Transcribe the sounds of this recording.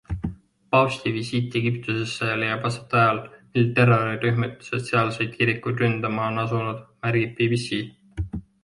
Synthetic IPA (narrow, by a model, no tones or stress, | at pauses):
pɑst̪ivisiːt̪ːˑeɡ̥ip̚t̪use̞sːelejːɑb̥ɑset̪ːˑɑjɑlmilt̪e̞roɾiryɦmet̪ːˑu̥set̪seɑlse̞jd̪̥̚kiɾikːˑud̪rynd̪̥ɑmɑonɑsunud̪̥mæɾɡib̚pibisiː